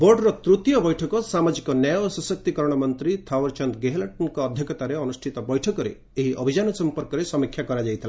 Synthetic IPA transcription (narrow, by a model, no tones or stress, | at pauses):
bɔɖɾɔt̪ɾut̪jɔbɔjʈʰɔkɔsamad͡ʒikɔnajɔsɔsɔk̚t̪ikɔɾɔɽ̃ɔmɔnt̪ɾit̪ʰawɔɾt͡ʃɔnd̪ɡeɦlaʈɔnkɔːd̪ʱjɔkɔt̪aɾeɔnusʈʰit̪ɔbɔjʈʰɔkɔɾḛ | eɦiʔɔbʱid͡ʒanɔsɔmpɔɾkɔɾesɔmikʰːjakɔɾad͡ʒajt̪ʰila